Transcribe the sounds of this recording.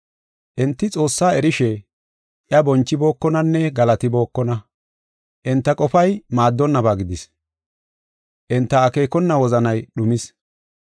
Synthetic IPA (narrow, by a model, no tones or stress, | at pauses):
ʔɪnt̪ːɪt͡sʼo̞ːsːaːɛɾɪʃɛ | ʔjɐbɔnt͡ʃːɪbo̞ːkːɔnɐnːɛɡɐlɐt̪ɪbo̞ːkːɔnɐ | ʔɪnt̪ːɐkʼɔfɐjmaːd̪ːɔnːɐbaːɡɪd̪ɪs | ʔɪnt̪ːɐːke̞ːkɔnːɐwɔzɐnɐjɗʊmɪs